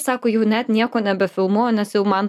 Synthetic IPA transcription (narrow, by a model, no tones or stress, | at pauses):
sɑːkojʊnæt̪nʲiɛkonʲɛbʲɛfʲɪlˠmunɛsʲɪlmɑn